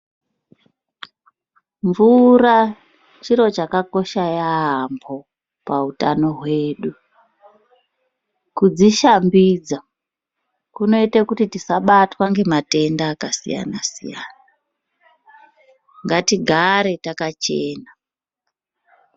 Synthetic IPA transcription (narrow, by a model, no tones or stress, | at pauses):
ɱvura | t͡ʃiɾo̞t͡ʃakako̞ʃajaɦambo̞ | pautano̞ɦwe̞ːɗu | kud͡ziʃambiːd͡za | kuno̞itekutitisaɓatwaŋɡe̞mate̞ndaːkasḭja̰nasija̰ːna | ŋɡatiɡʱaɾe̞takat͡ʃe̞ːna